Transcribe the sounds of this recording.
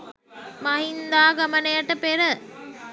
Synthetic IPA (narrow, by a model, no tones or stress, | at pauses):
maɦind̪aːɡɐmənəjaʈəpeɾə